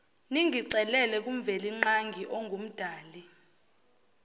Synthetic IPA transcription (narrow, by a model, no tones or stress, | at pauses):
niŋʱiǀɛlɛlɛk̬ʼumvɛliŋ͡ǃaŋɡʱiʔɔŋʱum̩d̥ʱaːli